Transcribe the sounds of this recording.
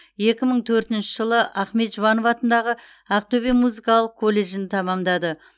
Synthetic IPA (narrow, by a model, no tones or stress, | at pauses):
je̞kʲɪməɴt̪ʰɵɾt̪ɪnʃɪʒəlˠəʔæχme̞t̪ʒʊvɑnovɑt̪ənd̪ɑʁə | æqt̪ɵbemuzikɑlˠəq̚kʰo̞lʲːe̞ʒɪnɪt̪ʰɑmɑmd̪ɑd̪ə